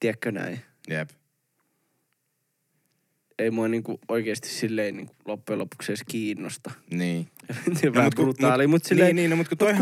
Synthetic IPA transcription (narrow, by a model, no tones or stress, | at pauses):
t̪iækːønæ̰i | jep | eimuɑniːŋkuoikeːst̪i̥ssilːeinḭːŋkulopːujelopu̥kseˑːskiːnːost̪ɑniːement̪iæʋækurut̪ːɑːlimut̪silːeiniːnomut̪kut̪oi